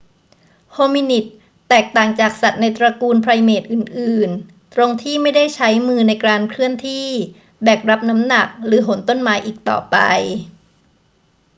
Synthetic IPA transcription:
hoː˧mi˧ni˨˩t̪̚ː | ɛː˨˩k̚t̪aː˨˩ŋt͡ɕaː˨˩k̚sa˨˩t̪̚na˧jt̪ɾa˧kuː˧npʰɾa˧jmeː˨˩t̪̚ʔɯː˨˩nʔɯː˨˩n | t̪ɾo˧ŋt̪ʰiː˥˩ma˥˩jda˥˩jt͡ɕʰa˦˥jmɯː˧na˧jkɾaː˧nkʰɾɯ˥˩ənt̪ʰiː˥˩ | bɛː˨˩k̚ɾa˦˥p̚na˦˥mna˨˩k̚ɾɯː˩˦ɦo˨˩˦nt̪o˥˩nmaː˩˦jʔiː˨˩k̚t̪ɔ̰ː˨˩pa̰˧j

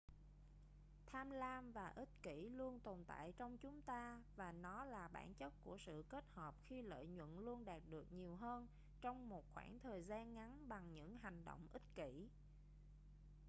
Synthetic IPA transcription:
t̪ʰaː˧mlaː˧mvaː˨˩ʔi˦˥t̚ki˧˩lu˧ənt̪o˨˩nt̪a̰ː˧˨jt͡ɕɔ˧wŋ͡mt͡ɕʊ˨˦ŋ͡mt̪aː˧vaː˨˩nɔ˨˦laː˨˩ɓa̰ː˧˩nt͡ɕə˦˥t̚ku˧˩əsɨ̰˧˨ke˦˥t̚həː˨˩p̚xi˧lə̰ː˧˨jɲwə̰˧˨nlu˧ənɗaː˨˩t̚ɗɨ˨˩ək̚ɲi˨˩əwɦəː˧n | t͡ɕɔ˧wŋ͡mmo˨˩t̚xwa̰ː˧˩ŋt̪ʰəː˨˩jzaː˧nŋa˨˦nɓa˨˩ŋɲɨ̰˧˥ŋɦa˨˩jŋ̟ɗo̰˧˨wŋ͡mʔï˦˥t̚ki˧˩

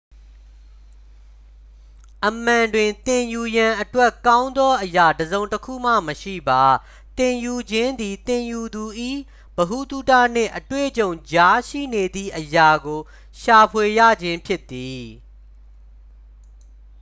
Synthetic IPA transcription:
ʔəm̥ã˨ndwɪ̃˨t̪ɪ̃˨ju˨jã˨ʔətwɛ˦kã˦ʊ̃nd̪ɔ˦ʔəja˨dəzõ˨ʊ̃təkʰṵ˦˨m̥ä̰˦˨məʃḭ˦˨ba˨ | t̪ɪ̃˨ju˨d͡ʑɪ̃˦nd̪i˨t̪ɪ̃˨ju˨d̪u˨ʔḭ˦˨ | b̥əɦu˦˨t̪u˦˨tä̰˦˨n̥ɪ̰̃˦˨ʔətwḛ˦˨t͡ɕõ˨ʊ̃d͡ʑa˦ʃḭ˦˨ne˨d̪ðḭ˦˨ʔəja˨ɡo˨ | ʃa˨pʰwe˨jä̰˦˨d͡ʑɪ̃˦mpʰjɪ˦t̪ːi˨

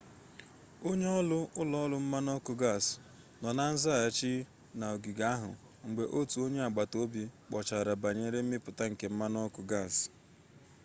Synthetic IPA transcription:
o˦ɲe˦ɔ˦lʊ˦ʊ˦lɔ˦lʊ˦m̩˦ma˦nɔ˦kʊ˨ɡa˦˨s | nɔ˨na˦n̩˦za˦˨a˨t͡ʃi˦ | na˨o˨ɡi˨ɡa˦ɦʊ̰˨ | ŋ͡m̩˨ɡ͡be˨ʔo˦tu˨o˦ɲe˦a˨ɡ͡ba˨to˦bi˦k͡pɔ˨t͡ʃa˨ɾa˨ba˨ɲe˨˦ɾe˦m̩˦mɪ˦pʊ˨ta˦ŋ̩˨ke˨m̩˦ma˦nɔ˦kʊ˨ɡa˦˨s

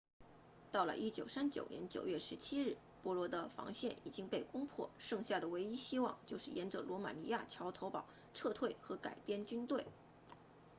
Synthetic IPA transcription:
t̪ɑ˥˩ʊlə̰˩ʔi˥t͡ɕjo˨˩ʊsa˥nt͡ɕjo̰˨˩ʊnjɛ̰˧˥nt͡ɕjo̰˨˩ʊɥɛ˥˩ʂɻ̩˧˥t͡ɕʰi˥ɻɻ̩˥˩ | pwɔ˧˥lwɔ˧˥d̪ə˧fɑ̰˧˥ŋɕjɛ˥˩ni˨˩t͡ɕi˥ŋpe˥˩ɪkʊ˥ŋpʰwɔ̰˥˩ʂɤ˥˧ŋɕja˥˩d̪ə˩we˧˥ɪi˥ɕi˥wɑ̰˥˧ŋt͡ɕjo˥˧ʊʂɻ̩˥˩jɛ˧˥nʈ͡ʂə˧lwɔ˧˥ma̰˨˩ni˧˥ja˥˩t͡ɕʰjɑ˧˥ʊt̪ʰo˧˥ʊpɑ˨˩˦ʊ | ʈ͡ʂʰɤ˥˧t̪ʰwe˥˩ɪxɤ˧˥ka˨˩ɪpjɛ˥˧nt͡ɕy˥nt̪we˥˩ɪ

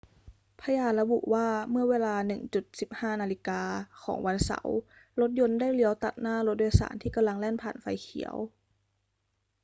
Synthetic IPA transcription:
pʰa˧jaː˧˩t̪̚la˧bṵ˨˩waː˧˥˩mɯ˥˩ɐweː˧laː˧nɯ˨˩ŋt͡ɕu˧˩t̪̚si˨˩p̚haː˥˩naː˧li˧˦kaː˧kʰɔ̰ː˩˦ŋwa˧nsa̰˨˩˦w | lo˧˦˥t̪̚jo˧nda˥˩jli˧˦əwt̪a˨˩t̪̚naː˥˩lo˧˦t̪̚doː˧sa̰ː˩˦nt̪ʰiː˥˩ka˧mla˧ŋlɛː˥˩npʰaː˨˩nfa˧jkʰḭ˨˩˦əw

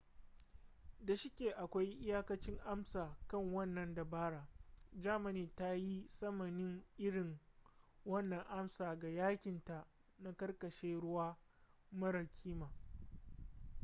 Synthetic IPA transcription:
da˨ʃɪ˦kʲeː˨ʔa˨kʷa˦jʔɪ˦jaː˦kɐ˦t͡ʃɪ˦ŋʔa˦msaː˨kɐ˦˨ŋwɐ˦˨nːɐ˨nda˨baː˦ɽa˨d͡ʒaː˦ma˨niː˨ta˦ji˦sɐ˦mɐ˨nɪ˦ŋʔɪ˦ɽɪ˨ŋ | wɐ˦nːɐ˨ŋʔa˦msaː˨ɡa˨jaː˦kʲɪ˨nta˨ | na˦kɐ˦rkɐ˨ʃeː˦ɽʊ˦waː˦ | mɐ˦ɾɐ˨kʲʰiː˦maː˨

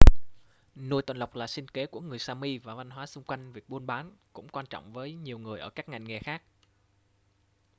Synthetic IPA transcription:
nu˧jt̪wa˨˩nla˨˩wk͡p̚laː˨˩sï˧ŋ̟ke˨˦ku˧˩əŋɨ˨˩əjsaː˧mi˧vaː˨˩va˧nɦwaː˨˦sʊ˧ŋ͡mkwa˧jŋ̟vi˨˩ək̚ɓu˧nɓaː˨˦nkʊ̰˧˥ŋ͡mkwaː˧nt͡ɕɔ̰˧˨wŋ͡mvəː˨˦jɲi˨˩əwŋɨ˨˩əjʔəː˧˩kaː˦˥k̚ŋa̰˧˨˩jŋ̟ŋɛ˨˩xaː˦˥k̚

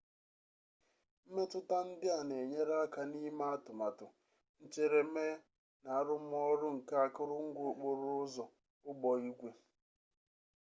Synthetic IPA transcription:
m̩˦me˦tʊ˦ta˦n̩˦dɪ˦a˨ne˨ɲe˦ɾa˦ka˨ni˦ma˦a˦tʊ˨ma˨tʊ˨ | n̩˦t͡ʃe˦ɾe˨˦me˦ | na˨a˦ɾʊ˦m̩˦ɔ˦ɾʊ˦ŋ̩˨ka˦a˦kʊ˦ɾʊ˦ŋ̩˦ɡʷo˦˨k͡po˨ɾʊ˦ʊ˦zɔ˨ | ʊ˦bɔ˨i˦kʷe˦

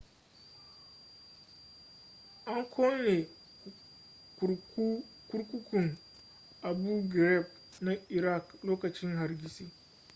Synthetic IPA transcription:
ʔa˦ŋkʷʰoː˦me˨ | ku˨ɾku˦ | ku˦ɾkʷu˦kʊ˨ŋ | ʔa˨bu˦ɡɾɛ˦˨b̚ | na˦i˨ɾa˦˨kloː˦kɐ˨t͡ʃɪ˦ŋɦa˨ɾɡʲi˦si˦

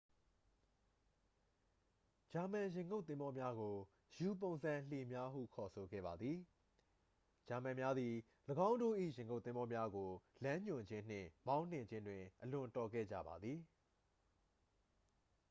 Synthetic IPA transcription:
d͡ʑa˨mã˨jɪ̃˨ŋɡo˦˨t̪ːθɪ̃˦mbɔ˦mja˦ɡo˨ | ju˨p̬õ˨ʊ̃nzã˨l̥e˨mja˦ɦṵ˦˨kʰɔ˨sʰo˨ɡɛ̰˦˨a˨d̪ði˨ | d͡ʑa˨mã˨mja˦d̪ði˨ | ləɡã˦ʊ̃ndo˦˨ʔḭ˦˨jɪ̃˨ŋɡo˦˨t̪θɪ̃˦mbɔ˦mja˦ɡo˨lã˦ɲʊ̃˨d͡ʑɪ̃˦n̥ɪ̰̃˦˨mã˦ʊ̃n̥ɪ̰̃˦˨ɲd͡ʑɪ̃˦ndwɪ̃˨ʔəlʊ̃˨tɔ˨ɡɛ̰˦˨d͡ʑa̰˦˨ba̰˨d̪ði˨

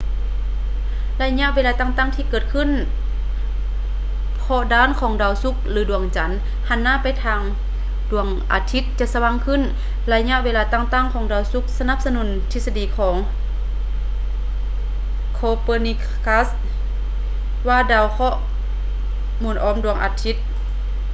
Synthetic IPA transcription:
la˧jɲa˧ʔweː˧laː˧t̪aː˧˨ŋt̪aː˧˥˨ŋt̪ʰiː˧kɤː˨˩t̪̚kʰɯ˧˥˨n | pʰɔ˧daː˧˥˨nkʰɔː˨˦ŋdaː˧˩wsu˧˥k̚lɯː˨˦du˧˩əŋt͡ɕa˨˦n | ha˧˨nːaː˧˥˨pa˨jt̪ʰaː˧ŋ | du˧˩əŋʔa̰ː˨˧t̪ʰi˧˥t̪̚t͡ɕa˧˨sa˧wa˧˨ŋkʰɯ˧˥˨n | la˧ɲa˧ʔweː˧laː˧t̪aː˧˩˨ŋt̪aː˧˨ŋkʰɔː˨˦ŋdaː˧˩wsu˧˦k̚sa˧na˧˥˦p̚sa˧nu˨˩˦nt̪ʰi˧sa˧diː˨˩kʰɔː˨˩˦ŋ | kʰoː˧poː˧ni˧k | ka˧˥s | waː˧˩daː˧˩wkʰɔ˧˥ʔ | muː˨˩nʔɔː˨˦mdu˧˩əŋʔa̰ː˧˩t̪ʰi˧˥t̪̚

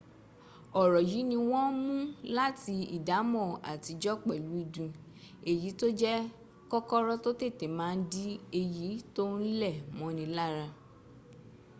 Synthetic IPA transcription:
ɔ˨ɾɔ˨ji˨˦nĩ˧w̃ɔ̃˦mũ˦la˦ti˧ḭ˦˨da˨˦mɔ̃˦˨a̰˨ti˧˦d͡ʒɔ˦k͡pɛ˦˨lu˨˦i˧˨dũ˧ | e˨ji˨˦to˦d͡ʒɛ˦ | kɔ˦kɔ˦ɾɔ˦to˦te˦˨te˨mãː˨˦n̩˦di˦e˧ji˨˦to˦n̩˦lɛ˦˨mɔ̃˨˦nĩ˧la˦˨ɾa˧

